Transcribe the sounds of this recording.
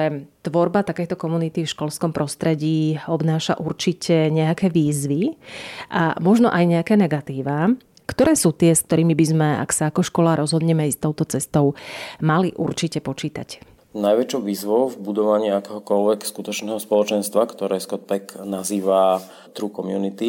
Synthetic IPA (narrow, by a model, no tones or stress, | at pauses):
ɛt̪ʋɔɾbat̪akɛjt̪ɔkɔmunit̪ifʃkɔlskɔmpɾɔst̪ɾɛɟiːɔbnaːʃa̰ʔuɾt͡ʃicɛɲɛakɛːʋiːzʋiʔamɔʒnɔ̰ʔajɲɛakɛːnɛɡat̪iːʋa | kt̪ɔɾɛːsuːt̪ɪɛskt̪ɔɾiːmibizmɛa̰ksaːkɔʃkɔlaɾʔɔzɦɔd̪ɲɛmɛist̪ɔʊt̪ɔt͡sɛst̪ɔʊmaliʔuɾt͡ʃicɛpɔt͡ʃiːt̪a̰c | najʋɛt͡ʃɔʊʋiːzʋɔʊvbud̪ɔʋaɲiakɛːɦɔkɔlʋɛkskut̪ɔt͡ʃnɛːɦɔspɔlɔt͡ʃɛnst̪ʋakt̪ɔɾɛːskɔt̪̚pɛknaziːʋa | t̪ɾukɔmjunit̪i